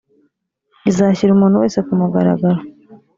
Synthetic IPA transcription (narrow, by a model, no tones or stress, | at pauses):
izaçiɾumuːn̤uwe̞̰ːse̞kumuɡaɾa̰ɡaɾo